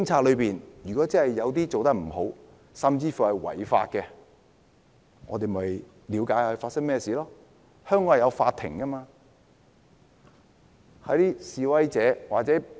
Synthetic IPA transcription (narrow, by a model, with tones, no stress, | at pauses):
kɪ˥ŋt͡sʰaː˧lɵ˨˧ɥpiː˨njyː˨kɔː˨˥t͡sɐ˥hɐ˨jːɐ˨˧wt̪̬iː˥t͡so˨wt̪ɐ˥k̚m̩˨˩ho˨˥w | sɐ˨mt͡siː˧fuː˨hɐ˨jwɐ̰˨˩jfa̰ː˧t̚kɛ˧ | ŋɔ̰˨˧t̪e˨m˨ɐ˨j | liː˨˧wkaː˨˥jɵ˨˧faː˧tsɐ˥ŋmɛː˥˩siː˨lɔː˥ | hœː˥ŋkɔː˨˥jɐ˨˧wfaː˧t̪ʰɪ̰˨˩ŋkɐ˥maː˧ | hɐ˨˥t̪iː˥siː˨wɐ˥jt͡sɛː˨˥waː˨k̚t͡sɛː˨˥